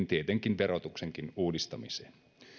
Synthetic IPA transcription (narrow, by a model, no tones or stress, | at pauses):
nt̪iet̪eŋkinʋeɾot̪ukseŋk̟inuːdist̪ɑmiseːn